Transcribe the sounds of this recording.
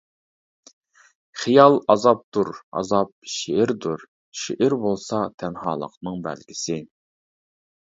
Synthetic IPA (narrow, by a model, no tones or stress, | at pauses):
χijɑlˠɑzɑp̚d̪uɾɑ̰zɑp̚ʃeɪɾd̪uɾ | ʃeʔɪɾbolˠsɑt̪ʰɛnɦɑːlˠə̰qnɨŋbæ̰lɡʲɪsɪ